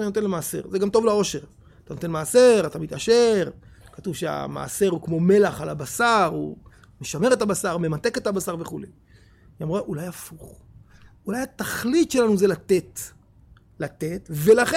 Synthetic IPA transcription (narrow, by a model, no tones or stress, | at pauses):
aninote̞nlemaːse̞̰ʁzeɡamto̞vlao̞ʃe̞ʁ | at̪ano̞t̪e̞nmaːse̞ʁat̪amit̪aʃe̞ʁ | katuvʃea̰ma̰ːse̞ʁukmo̞me̞laχalabasaʁu | meʃame̞ʁe̞tabasaʁme̞mat̪e̞ke̞tabasaʁve̞χulej | amʁaʔulajafuχ | ulajat̪aχlitʃe̞lanuzelat̪et̪ | lat̪e̞t̪ve̞laχe